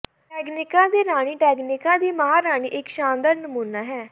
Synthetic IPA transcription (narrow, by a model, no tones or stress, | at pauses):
ʈɛːɡnɪkãːd̪iːɾaːɽ̃iːʈɛːɡnɪkãːd̪iːməɦaːɾaːɽ̃iːʔɪkʃãːnd̪əɾnəmuːnaːɦɛː